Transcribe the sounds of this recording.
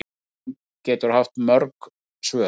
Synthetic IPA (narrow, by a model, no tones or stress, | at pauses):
cɛːt̪ʏɾ̥haft̪mœɾk | svœː